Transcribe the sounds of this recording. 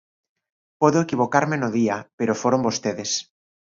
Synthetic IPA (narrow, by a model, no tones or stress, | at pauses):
poðoekiβ̞okaɾmenoðiapeɾofoɾombost̪eðes